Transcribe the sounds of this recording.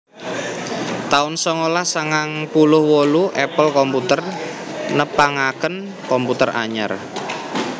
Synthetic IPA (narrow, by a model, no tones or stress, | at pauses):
t̪aʊnsɔŋolahsaŋaŋpulʊhwoluʔɛpəlkɔmput̪ər | nəpaŋakən | kɔmput̪əra̰ɲə̰r